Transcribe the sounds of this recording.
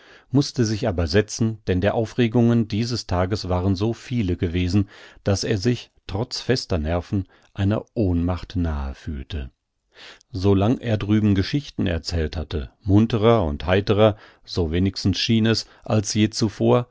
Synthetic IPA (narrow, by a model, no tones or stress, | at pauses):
mʊstəzɪçʔaːbɐzɛt͡sn̩d̥ɛndeːɐʔaʊfʁeːɡʊŋəndiːzəstʰaːɡəsv̥aːʁənzoːfiːləɡəveːzn̩d̥aseːɐzɪçtʁ̥ɔt͡sfɛstɐnɛɐfn̩ | ʔaɪnɐ̰ʔoːnmaχtnaːə̰fyːltʰə | zolaŋʔḛːɐdʁyːbm̩ɡəʃɪçtn̩ɛ̰ɐt͡sɛːlthatəmʊntəʁɐʊ̰nthaɪtəʁɐ | zoveːnɪçstn̩sʃiːnɛs | ʔalsjeːt͡sufoːɐ